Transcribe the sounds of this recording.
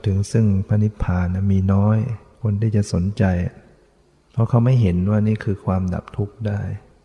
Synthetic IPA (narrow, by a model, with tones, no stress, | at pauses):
t̪ʰɯ˩˦ŋsɯ˥˩ŋpʰa˧ni˦˥t̪̚pʰaː˨˩na˧˩miː˧nɔː˦˥j | kʰo˧nt̪ʰiː˥˩t͡ɕa˨˩ʔso˩˦nt͡ɕa˧j | pʰɔ˦˥kʰa˦˥˩wma˥˩jɦe˩˦nwaː˥˩niː˥˩kʰɯː˧kʰwaː˧mda̰˨˩p̚t̪ʰu˦˥k̚daː˥˩j